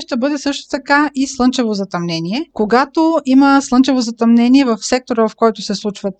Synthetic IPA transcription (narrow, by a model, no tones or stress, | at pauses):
ʃt̪ɐbɤd̪ɛsɤʃt̪o̥t̪ɐkaislˠɤnt͡ʃɛvozɐt̪ɐmnɛniɛkoɡat̪oiməslˠɤnt͡ʃɛvozɐt̪ɐmnɛniɛvɐfsɛk̚t̪oɾəvɐfkɔjt̪ʊsɛslˠut͡ʃvət̪